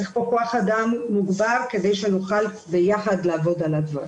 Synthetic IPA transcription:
eχpo̞koaχad̪amːuɡbaʁke̞d̪ejʃenoχal | bejaχadlaːvo̞dalad̪va

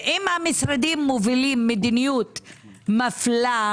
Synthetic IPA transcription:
ʔimhamisɾad̪imːovilimːed̪inijut̪ | mafla

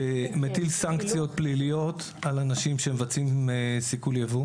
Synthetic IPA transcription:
emet̪ilsaŋkt͡sijo̞t̪̚plilijo̞t̪ | alanaʃimʃemevat͡simesikuljavu

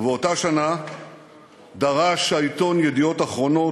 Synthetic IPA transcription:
veotaʃana | d̪aʁaʃait̪o̞njed̪io̞taχʁo̞no

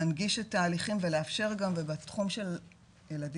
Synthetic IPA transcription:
anɡiʃetːaːliχimveleafʃe̞ʁɡamvebat̪χumʃe̞l | jelad

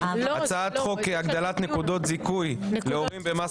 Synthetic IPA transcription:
at͡saat̪χo̞keaɡd̪alat̪nekud̪o̞t̪zikujleomimbema

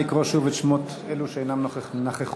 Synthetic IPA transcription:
ikʁoʃuvet̪ʃmot | eluʃeejnamnoχenaχeχ

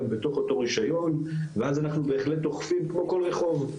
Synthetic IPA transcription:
mbeto̞χo̞to̞ʁiʃajo̞nveazanaχnube̞ːχleto̞χfimkmo̞ko̞lʁe̞χo̞v

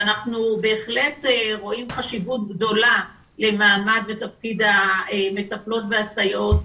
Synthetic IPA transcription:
anaχnube̞ːχle̞tʁo̞imχaʃivutɡdo̞la | le̞maːmadvetafkid̪haeme̞taplo̞tveastajo̞t

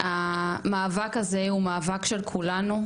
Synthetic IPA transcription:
ʔamaːvakazeumaːvakʃelkʰulanu

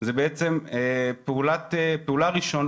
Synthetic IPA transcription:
zebeet͡se̞mepeulatepeulaʁiʃo̞n

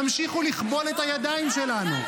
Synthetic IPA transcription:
amʃiχuliχbo̞let̪ajad̪aimʃe̞lanu

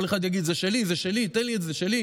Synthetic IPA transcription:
leχad̪jaɡid̪zeʃelizeʃelit̪enlietzeʃeli

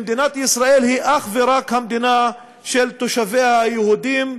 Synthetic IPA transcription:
md̪inat̪isʁae̞lhiʔaχveɾakhamd̪ina | ʃelt̪oʃavejhajehud̪im

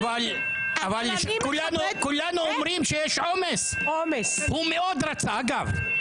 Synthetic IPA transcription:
val | ʔavalʃkulanukulːanuomɾimʃejɛʃʕomes | oms | humeo̞d̪ɾat͡saaɡav

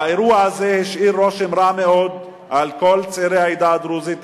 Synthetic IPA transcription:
aeɾuaazehiʃʔiɾːoʃemɾameod̪ | ʔalko̞lt͡seɾeajd̪ad̪ɾuzit̪

